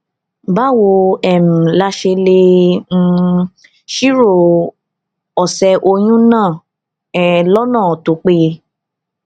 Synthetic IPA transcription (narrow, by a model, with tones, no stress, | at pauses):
ba˦wo˧ɛ˨m̩̃˨la˧ʃe˧lẽ˧˦˧ | ʃi˦ɾo˦˨ | ɔ˨sɛ˧ʔo˧j̃ũ˦nãː˦˨ | ɛ˨lɔ˦nãː˦˨ɔ˨to˨˦k͡pe˦˧